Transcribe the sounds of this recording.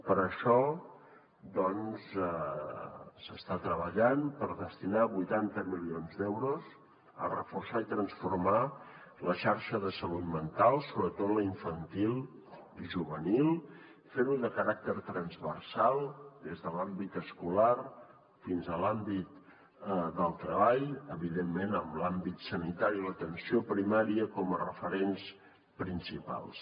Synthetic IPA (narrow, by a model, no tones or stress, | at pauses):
pəɾəʃɔ | d̪ɔnsə | səst̪at̪ɾəβəʎanpəɾðəst̪inaβujt̪ant̪əmilionzd̪ɛwɾuz | ə̰rəfursait̪ɾənsfurma | ləʃaɾʃəðəsəlut̪mənt̪alˠsoβɾət̪ot̪ləiɱfənt̪ilˠ | iʒuβənilˠ | feɾuðəkəɾak̚t̪əɾt̪ɾənzβərsalˠd̪ezðəlambit̪əskular | finzəlambit̪ | d̪əlˠt̪ɾəβaʎəβiðemːenəmlambit̪sənit̪aɾilət̪ənsiopɾimaɾiəkɔmərəfəɾens | pɾinsipa̰lˠs